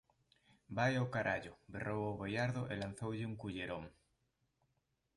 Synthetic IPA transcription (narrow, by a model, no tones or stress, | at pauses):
bajawkaɾaʎoberowawβojaɾðoʔelan̟θowʎeuŋkuʎeɾoŋ